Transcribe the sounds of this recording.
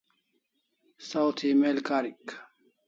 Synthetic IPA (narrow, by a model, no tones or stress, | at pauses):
sawt̪ʰimelkaɾik